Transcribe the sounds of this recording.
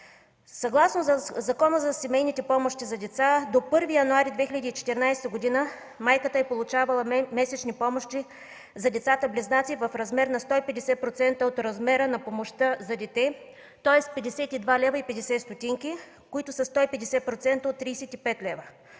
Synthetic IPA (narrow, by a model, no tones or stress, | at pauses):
sɐɡlˠasnozɐkɔnəzɐsɛmɛjnit̪ɛpɔmoʃt̪izɐd̪ɛt̪sad̪opɤɾvijɐnuaɾid̪vɛxʲilʲɐd̪iːt͡ʃɛ̥t̪ɛɾnajst̪əɡod̪inə | majkət̪əɛpolˠʊt͡ʃavɐlˠɐmɛsɛt͡ʃnipɔmoʃt̪i | zɐd̪ɛt̪sat̪əblɛznat̪sivɐfɾɐzmɛɾnɐst̪ɔipɛd̪ɛsɛpɾot̪sɛnt̪əot̪ɾɐzmɛɾənɐpomoʃt̪əzɐd̪ɛt̪ɛ | t̪ɔɛst̪pɛd̪ɛsɛt̪id̪valɛvɐipɛd̪ɛsɛst̪ot̪ʲiŋkʲi | koit̪ʊsɐst̪ɔipɛd̪ɛsɛpɾot̪sɛnt̪əot̪ːɾijsɛt̪ipɛt̪lʲɛvə